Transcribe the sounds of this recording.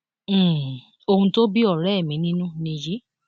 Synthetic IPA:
o˧hũ˧to˦bi˦ɔ˦˨ɾɛ˦˨mĩ˨˦nĩ˦nũ˦nĩ˧ji˦

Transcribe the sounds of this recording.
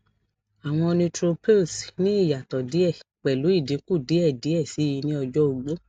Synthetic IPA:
a˨w̃ɔ̃˧ɔ˧nĩ˧tɾo˧pe˦˨snĩ˨˦i˦˨ja˨tɔ˨di˨˦ɛ˦˨k͡pɛ˨lu˨˦i˦˨dĩ˨˦ku˦˨di˨˦ɛ˦˨di˨˦ɛ˦˨si˨˦i˧nĩ˦ɔ˧d͡ʒɔ˦u˧ɡ͡bo˦

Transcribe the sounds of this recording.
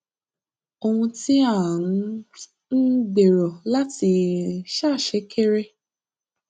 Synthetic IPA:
o˧hũ˧ti˦a˦˨ñ̩˨˧˦ | n̩˦de˨ɾɔ˨la˦ti˧ʃa˦˨ʃe˨˦kʰe˦ɾe˦

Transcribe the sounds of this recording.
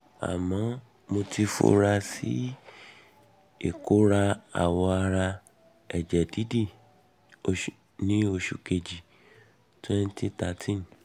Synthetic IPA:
a̰˨mã˨˦ | mo˧ti˧fo̰˧˦ɾa˧sḭ˦ | e˦˨ko˨˦ɾa˧a̰˨wɔ˧a˧ɾa˧ | ɛ˨d͡ʒɛ˨di˨˦di˦˨ | o˧˨ | nĩ˦o˧ʃu˨ke˧d͡ʒi˨ | tũ˦ɛ˦n̩˦ti˦ta˧tʰĩ˦n˨

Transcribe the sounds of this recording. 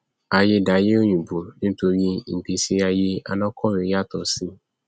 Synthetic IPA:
a˧je˧da˨˦je˦o˦ɲũ˨bu˨nĩ˦to˧ɾi˦m̩˨ɡ͡bi˨˦si˦a˧je˦a̰˧nɔ̃˦kʰɔ˦˨ɾe˨˦ja˦˨tɔ˨si˦

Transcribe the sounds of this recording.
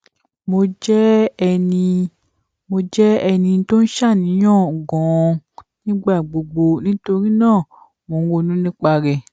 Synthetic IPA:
mo˧d͡ʒɛ˦ɛ˧nĩ˧ | mo˧d͡ʒɛ˦ɛ˧nĩ˧n̩˦to˦n̩˦ʃa˦˨nĩ˨˦j̃ɔ̃ː˦˨ɡɔ̃˨˧nĩ˦ɡ͡ba˦˨ɡ͡bo˨ɡ͡bo˧nĩ˦to˧ɾĩ˦nãː˦˨ | mo˨˦wo˧nũ˦nĩ˦k͡pa˧ɾɛ˨

